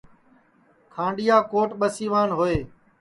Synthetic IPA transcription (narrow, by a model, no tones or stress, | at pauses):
kʰãːɳɖɪjaːkoːʈɓəsiːʋaːnɦoːeː